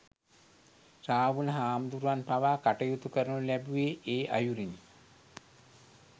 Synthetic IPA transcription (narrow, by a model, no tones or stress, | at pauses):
raːʋuləɦaːmd̪uɾuʋanpaʋaːkaʈəjut̪ukəɾənulæbuʋeʔeːʔa̰juɾin